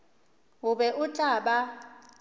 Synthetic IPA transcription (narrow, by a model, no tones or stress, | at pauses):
ɦuɓɛʔutʼaːɓa